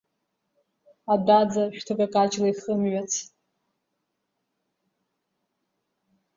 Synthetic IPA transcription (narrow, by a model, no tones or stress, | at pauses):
adad͡zaʃᶣtʰɨkʼakʼat͡ʃʼlaiχəmɥat͡sʰ